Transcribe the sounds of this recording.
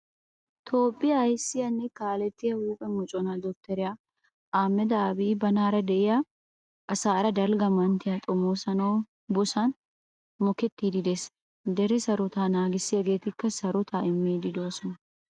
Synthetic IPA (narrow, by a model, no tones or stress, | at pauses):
t̪ʰo̞ːpʼːɪjɐːjsːɪjɐnːɛkaːlɛt̪ːɪjɐhuːpʼɛmʊt͡ʃʼɔnad̪ɔkt̪ːɛɾɪja | ʔaːmːɛd̪aːbibɐnaːɾɐd̪ɛʔɪja | ʔɐsaːɾɐd̪ɐlɡɐmɐnt̪ɪjat̪ʼɔmːoːsɐnɐw | bɔsɐn | mɔkɛt̪ːiːd̪ɪd̪es | d̪ɛɾɛsɐɾɔt̪aːnaːɡɪsːɪjɐɡe̞ːt̪ɪkːɐsɐɾɔt̪ʰaːɪmːiːd̪ɪd̪oːsɔnɐ